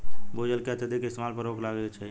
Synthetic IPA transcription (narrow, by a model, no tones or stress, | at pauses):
bod͡ʒəlkeət̪ʰəd̪ikɪst̪emalpəɾoːkʰlaɡt͡ʃʰai